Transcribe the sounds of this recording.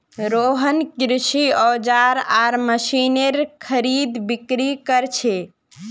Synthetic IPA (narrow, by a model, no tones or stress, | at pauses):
ɾoɦənkɾiʃiɔːd͡ʒaɾaɾməʃineɾkʰəɾid̪bikɾikəɾt͡ʃʰe